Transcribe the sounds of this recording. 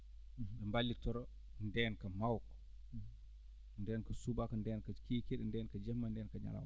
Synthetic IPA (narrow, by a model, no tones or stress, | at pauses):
ɗɛmbalːitɔɾɔ | ndɛːnkamawk | ndɛːnkɐsubakɔndɛːnkakiːkiɗɛndɛːnkad͡ʒɛmːandɛːnkaɲa̰la̰w